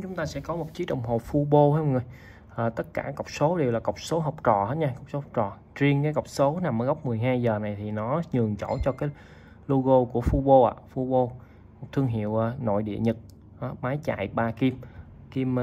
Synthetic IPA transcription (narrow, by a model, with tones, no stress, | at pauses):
t͡ɕʊ˨˦ŋ͡mt̪aː˧sɛ̰˧˥kɔ˨˦mo˨˩k͡p̚t͡ɕi˨˦ɗə̰˨˧˩wŋ͡mɦo˨˩fu˧ɓo˧hŋə˧˩j | ʔəː˨˩t̪ə˦˥t̚kaː˧˩kə˨˩wk͡p̚so˨˦ɗe˨˩wlaː˨˩kə˨˩wk͡p̚so˨˦ɦə˨˩wk͡p̚t͡ɕɔ˨˩hə˦˥t̚ɲaː˧kə˨˩wk͡pso˨˦hk͡p̚t͡ɕɔ˨˩ | t͡ɕi˧əŋkaː˨˦jkə˨˩wk͡p̚so˨˦na˨˩mʔəː˧˩ɣə˦˥wk͡p̚mɨ˨˩əjɦaː˧jzəː˨˩na˨˩jt̪ʰi˨˩nɔ˨˦ɲɨ˨˩əŋt͡ɕo̰˧˩t͡ɕɔ˧kaː˨˦j | lo˧ɣo˧ku˧˩əfu˧ɓo˧ʔa̰ː˨fu˧ɓo˧ | mo˨˩k͡p̚t̪ʰɨ˧əŋɦḭ˧˨əwʔaː˨˧no̰˧˨jɗḭ˧˨əɲɨ˨˩t̚ | ʔa˨˦maː˨˦jt͡ɕa̰ː˧˨jɓaː˧ki˧m | ki˧m